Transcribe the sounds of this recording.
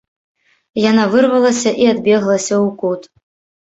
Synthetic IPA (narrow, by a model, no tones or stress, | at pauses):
janavɨrvɐlˠɐsʲɐʔiad̪bʲɛɣlˠɐsʲɐukut̪